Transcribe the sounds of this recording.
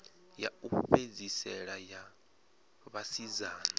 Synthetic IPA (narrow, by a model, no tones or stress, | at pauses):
ja̰uɸed͡zisɛɺaja | βasizaːna